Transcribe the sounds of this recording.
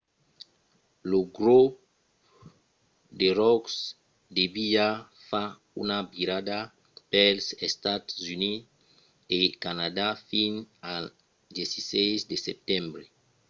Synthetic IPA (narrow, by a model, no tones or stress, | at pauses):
loɡɾop | d̪erɔks | d̪ebija | fa | unabiɾad̪a | pɛlsest̪at̪zyni | ekanad̪afina | d̪jesisɛjzd̪esep̚t̪ɛ̃mbɾe